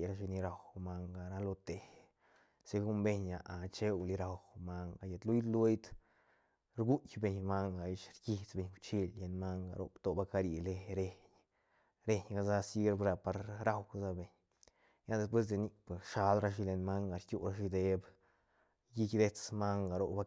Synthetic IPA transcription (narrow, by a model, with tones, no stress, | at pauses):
jɾa˧ʃ̬i˧ni˧ɾa˨wma˧ŋɡa˨ɾa˧lo˧t̪e˨h | se˧ɡu˦mbe˧ɲa˨ʔa˨t͡ʃe˦wli˧ɾa˨wma˧ŋɡa˧˨je˨t̪lu˦jlu˧jd̪ | ɾɡu˦jbe˧˨ɲma˦ŋɡa˨ji˧ʃɾki˧t͡sbe˧ɲt͡ʃi˧lle˧nma˦ŋɡa̰˨ɾo̰˦pt̪o˨ba˧ka˧ɾi˧le˧ɾe˧ɲ | ɾe˧ɲɡa˧za˦si˦ɾbɾa˧pa˧ɾɾa˦wɡa˧za˧be˨ɲ | ja˦d̪e˧sp̬we˦s̬d̪e˧ni˧pe˨sʃa˧lɾa˧ʃ̬i˧le˧nma˦ŋɡa˧ɾkʲu˦ɾa˧ʃi˧d̪e˧b | ji˦kd̪e˦t͡sma˦ŋɡa˨ɾo˧ba˦